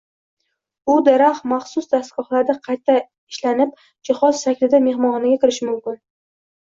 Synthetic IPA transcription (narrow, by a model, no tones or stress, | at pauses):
ʊd̪aɾaχmɑχsʊsd̪ast̪ɡ̥ɒχlˠaɾd̪aqʰɑjt̪ʰːa | ɪʃlanɪp̚ | d͡ʒɪχɒzʃakʲlɪd̪ame̞ɦmɒnɪɡʲakʲɪɾɪʃɪmʊmkʲɪn